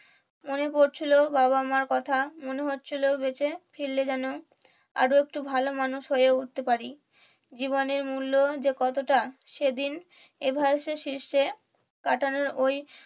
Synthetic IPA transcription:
monepoɾt͡ɕʰilobaβamaɾkɔt̪ʰamoneɦotːt͡ɕʰilobet͡ɕefʰiɾled͡ʑɛno | a̰ɾoek̚ʈubʱalomanuʃɦoeeut̪t̪ːepaɾi | d͡ʑiβoneɾmulːod͡ʑekɔt̪oʈaʃed̪in | ebʱaoʃeɾʃiɾʃe | kaʈʰanoɾoj

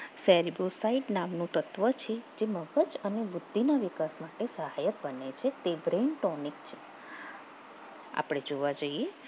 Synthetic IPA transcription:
sɛɾibosaiɖnamnũt̪ət̪ʋət͡ʃʰed͡ʒeməɡəd͡ʒənebʊd̪ʱːinaʋikasmaʈesəɦajət̪̚bənet͡ʃʰet̪ebɾenʈɔnikt͡ʃʰe̥ | a̰pɽ̃ed͡ʒoʋad͡ʒəie

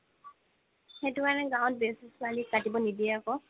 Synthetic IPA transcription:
xetʊkanɛɡaw̃t̚besisʊalikːatibɔnidiɛakɔ

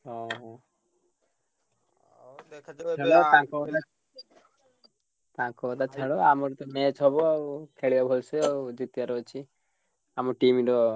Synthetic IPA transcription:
ɦɔɦɔ | ɛɭɔt̪ãkɔd̪a | t̪ãkɔːd̪at͡ʃʰɛɭɔamɔɾt̪ɔmet͡ʃɦɔbɔakʰeɭibabʱɔlsɛɔd͡ʒit̪ijaɾɔt͡ʃʰi | amɔʈimiɖɔ

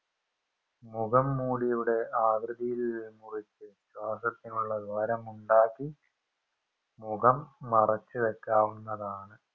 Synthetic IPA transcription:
muɣɐmːuːɽijuɽe̞aːɡɾɨðijilmurit͡ɕːɨɕwaːsɐt̪ːinuɭːɐd̪ʱɐɾɐmuɳɖaːkːi | muɣɐmːɐrɐt͡ɕːɨʋɐkːaːʋunːɐðaːɳɨ

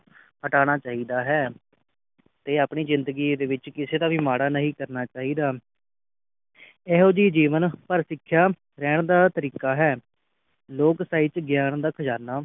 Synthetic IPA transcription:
həʈaːɽ̃aːt͡ʃaːɦiːd̪aːɦɛː | t̪eːaːpɳiːzɪnd̪əɡiːd̪eːʋɪt͡ʃkɪseːd̪aːʋiːmaːɽaːnəɦĩːkəɾnaːt͡ʃaːɦiːd̪aː | ɛːɦoːd͡ʒiːd͡ʒiːʋənpəɾsɪkʰːjaː | ɾɛːɽ̃d̪aːt̪əɾiːkaːɦɛː | loːksaːiːt͡ʃɡɪjaːɳd̪aːkʰəd͡ʒaːnaː

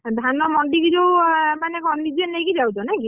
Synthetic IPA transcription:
d̪ʱanɔmɔɳɖiɡiɾowmanekɔnːid͡ʒenːeɡid͡ʒawd͡ʒɔnaki

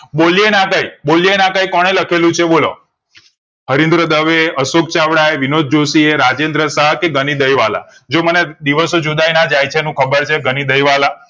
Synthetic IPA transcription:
ɓolienakəjbolienakəjkɔɽ̃eləkʰelũt͡ʃʰeɓolo̰ | ɦəɾind̪ɾəd̪əʋeəsok̚t͡ʃaʋɽaeʋinod̪̚d͡ʒosieɾad͡ʒend̪ɾəsəɦkeɡənid̪əjʋala̰ | d͡ʒoməned̪iʋəsod͡ʒud̪ajnad͡ʒajt͡ʃʰenũkʰəbəɾt͡ʃʰeɡənid̪əjʋala

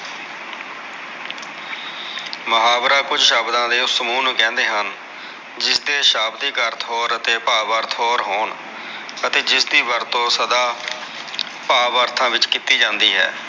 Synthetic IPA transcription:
məɦaːbɾaːkʊd͡ʒʃaːbd̪ãːd̪eːʊsəmuːnũːkɛ̃ːnd̪eːɦən | d͡ʒɪsd̪eːʃaːbd̪iːkəɾt̪ʰɦoːɾət̪eːpaːbəɾt̪ʰɦoːɾɦoːɳ | ət̪eːd͡ʒɪsd̪iːbəɾt̪õːsəd̪aː | paːbəɾt̪ʰãːʋɪt͡ʃkit̪iːd͡ʒãːnd̪iːɦɛ̰ː

